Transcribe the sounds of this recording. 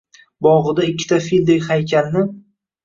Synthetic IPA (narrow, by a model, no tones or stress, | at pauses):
bɒʁɨd̪aɪkʲːɪ̥t̪ʰafild̪ɪjʲhajkʲʰanːɪ